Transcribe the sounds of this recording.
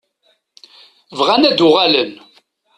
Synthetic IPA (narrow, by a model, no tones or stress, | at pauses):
vʁænæd̪ʊʁælən